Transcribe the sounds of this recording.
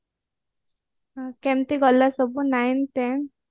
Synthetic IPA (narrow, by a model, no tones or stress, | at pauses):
kɛ̃mt̪iɡɔlːasəbunajnt̪ɛn